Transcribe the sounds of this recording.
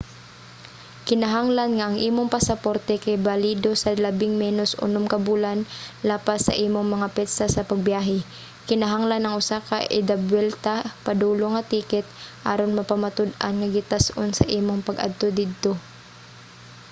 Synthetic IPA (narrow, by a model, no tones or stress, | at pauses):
kɪnɐɦaŋlanŋaʔaŋʔiːmoŋpasɐpoɾt̪ɛkajbaliːd̪osɐlabɪŋmɛːnosʔʊ̰nʊmkɐbuːlanlaːpasɐ̰ʔiːmoŋmɐŋapɛt̪sasɐpɐɡ̚bjaːɦɛ | kɪnɐɦaŋlanɐŋʊsakaʔɪd̪abwɛlt̪apad̪uːloŋɐt̪iːkɪt̪̚ʔaɾonmɐpamat̪ʊd̪a̰nŋaɡɪt̪asʔonsɐ̰ʔiːmoŋpɐɡʔa̰d̪̚t̪od̪ɪd̪̚t̪o